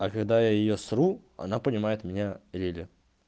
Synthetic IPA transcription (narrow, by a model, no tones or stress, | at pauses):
ɐkɐɡd̪ajajɪjosru | ɐ̰napənʲɪmajɪt̪mʲɪnʲalʲilʲɪ